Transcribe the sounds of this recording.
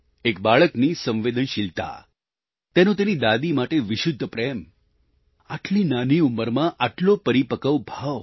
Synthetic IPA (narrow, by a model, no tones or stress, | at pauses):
ek̚baɭəknisə̃ʋʋed̪ənʃilt̪a̰ | t̪enõt̪̬enid̪ad̪imaʈeʋɪʃʊd̪ʱːəpɾem | aʈʰlinaniuməɾmãʔaʈlopəɾipəkəʋbʱaʋ